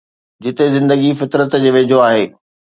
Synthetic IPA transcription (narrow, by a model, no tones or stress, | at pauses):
d͡ʑɪt̪ezɪ̃nd̪əɡifɪt̪ɾət̪d͡ʑeːʋeːd͡ʑʱoaːɦeː